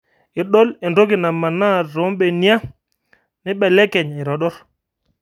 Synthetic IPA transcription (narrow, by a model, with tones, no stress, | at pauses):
ɪ˨ɗɔ˦lɪ˨ndo˦kɪ˨na˨ma˨na˦˨ɾo˨˦mɓɛ˨nja˦ | nɪ˦ɓɛ˨lɛ˦kɛ˨ɲɪ˨ɾɔ˨ɗɔ˦ɾ